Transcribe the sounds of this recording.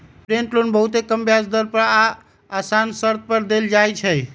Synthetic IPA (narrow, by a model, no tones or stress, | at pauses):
pɾeɳʈlonbəɦut̪ekəmbjasd̪əɾpəɾaː | sansəɾt̪̚pəɾd̪eld͡ʒajt͡ʃʰəj